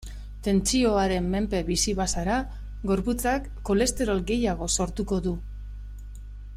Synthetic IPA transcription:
t̪e̞nt͡sio̞aɾe̞mːe̞mpe̞βisiβasaɾa | ɡo̞ɾput͡sakːo̞le̞st̪e̞ɾo̞lɡe̞jaɣ̞o̞so̞ɾt̪uko̞ðu

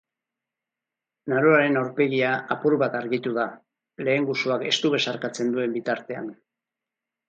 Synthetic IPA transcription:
naɾoaɾe̞nawɾpe̞ɣiaapuɾβat̪aɾɣit̪uða | le̞ːŋɡusuake̞st̪uβe̞saɾkat͡se̞nd̪ue̞mbit̪aɾt̪e̞a̰n

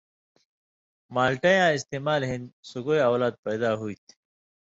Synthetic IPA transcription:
maːlʈɐjãːist̪eːmaːlɦĩnsuɡojawlaːd̪̚pɐjd̪aːɦuit̪ʰ

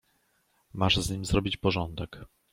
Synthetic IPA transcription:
maʐzɲimʲzɾɔbʲit͡ɕpɔʐɔnd̪ɛk

